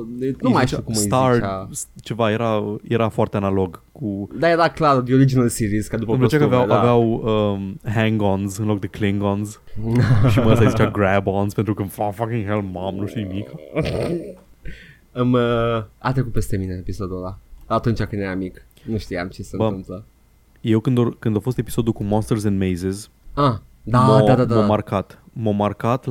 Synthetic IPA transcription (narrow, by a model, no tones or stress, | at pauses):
nuumajʃt̪ikumszt̪arast͡ʃe̞vajeɾajeɾafoʊaɾt̪eanalo̞ɡkud̪ajeɾaklaɾd̪ioɾid͡ʒinəlsiɾizkad̪upəupləot͡ʃeakaaveawdaaveawəɦɛŋɡonzɨnlo̞k̚d̪ekliŋɡonz | ʃiməəsazit͡ʃaɡɾɛbonzpent̪ɾukəmfafakiŋɦelmːamnuʃt̪iunimika | aməa̰t̪ɾekut̪pest̪emineepisod̪ulaat̪unt͡ʃakɨnd̪jeɾamik | nuʃt̪ijamt͡ʃesənbəɨmplə | je̞wkɨnd̪okɨnd̪awfo̞st̪e̞pi̥so̞d̪ulkumonst̪ərzɛ̃nd̪mejzez | ad̪amod̪ad̪aamomarkat̪ | momarkat̪